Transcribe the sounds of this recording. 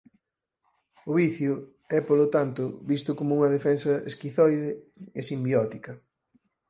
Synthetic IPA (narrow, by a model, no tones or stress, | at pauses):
ʊβiθjʊ | ɛpolot̪ant̪ʊβist̪ʊkomʊuŋɐðefɛnsɐḛskiθɔjðeesimbjɔt̪ikɐ